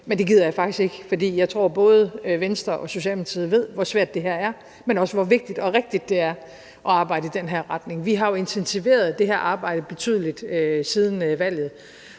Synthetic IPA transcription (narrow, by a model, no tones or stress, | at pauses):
mend̥e̝ɡið̞̰ˠɐjɑ̈ɪfɑ̈ɡ̥d̥isɡ̥e̝ɡ̥əfɒ̽d̥ḭːjɑ̈ɪt͡sʰʁo̝ɐ̰b̥ɔ̽ːð̞ˠəʋensd̥ʁɐʔɒ̽so̝ɕɛ̰lmit͡sʰiðˠʋe̝ð̞̰ˠʋɒsʋæɐd̥e̝ɦæɐ̰æɐ | menɒ̽səʋɒʋe̝ɡ̥̚d̥id̥ɒ̽ʁeɡ̥̚d̥id̥ːe̝æɐ | ʔɒ̽ɑ̈ːb̥ɑ̈ɪdəid̥enɦæɐ̰ʁɑ̈d̥ne̝ŋʋiɦɑ̈jo̝e̝nt͡sʰensʰiʋe̝̰ːɐð̞̩ˠd̥e̝ɦæɐ̰ʔɑ̈ːb̥ɑ̈ɪ̰ɾ̥əb̥e̝t͡sʰy̰ðˠlid̥øsið̞ˠn̩øʋæl̰jð̩ˠ